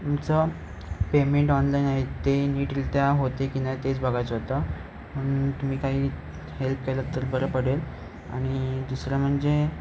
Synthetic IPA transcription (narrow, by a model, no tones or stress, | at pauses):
t̪umt͡sə | pemeɳʈɔnlainaɦet̪eniːʈlt̪jaɦot̪ekinat̪et͡sbʱəɡʱajt͡səɦot̪a | m̤əɽ̃uːnt̪um̤iːkaɦiː | help̚kelət̪əɾbəɾəpəɽel | a̰ɽ̃id̪usɾam̤əɳd͡ze